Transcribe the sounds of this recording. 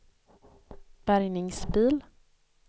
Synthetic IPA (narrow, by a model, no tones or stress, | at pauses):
b̥æɾjnɪŋsbiːl